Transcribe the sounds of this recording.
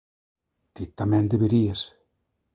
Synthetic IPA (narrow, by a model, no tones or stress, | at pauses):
t̪it̪ːamɛnd̪eβeɾies